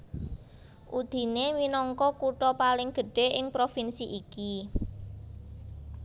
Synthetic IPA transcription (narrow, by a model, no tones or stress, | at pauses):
ʔud̪̥i̤neminɔŋkɔkuʈɔpalɪŋɡ̥ə̤ɖ̥e̤ʔɪŋpɾofinsiʔiki